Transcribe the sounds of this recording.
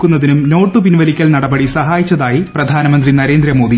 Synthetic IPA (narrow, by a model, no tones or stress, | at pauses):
kːunːɐðinumno̞ːʈːɨpinʋɐlikʲːɐlnɐɽɐbɐɽisɐɦaːjit͡ɕːɐðaːjiprɐd̪ʱaːnɐmɐnd̪rinɐɾe̞ːnd̪ɾɐmo̞ːd̪i